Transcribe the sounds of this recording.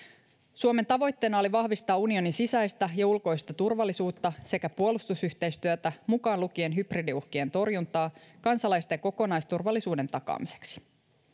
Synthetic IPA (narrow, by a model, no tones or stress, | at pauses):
suome̞nt̪ɑʋo̞jt̪ːe̞ːnɑoliʋɑhʋist̪ɑːunio̞ninsisæjst̪æjɑulko̞jst̪ɑt̪urʋɑlːˑisuːt̪ːɑse̞kæpuolust̪usyçt̪ejst̪yøt̪æmukɑːnlukie̞nɦypridiuhkie̞nt̪o̞rjunt̪ɑːkɑnsɑlɑjst̪ɑjɑko̞ko̞nɑjst̪urʋɑlːisuːde̞nt̪ɑkɑ̰ːmise̥ksi̥